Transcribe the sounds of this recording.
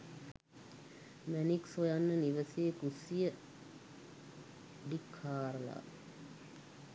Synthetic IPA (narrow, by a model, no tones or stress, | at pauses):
mæniksojanːəniʋəseːkusijə | ɖikʰhaːɾəla̰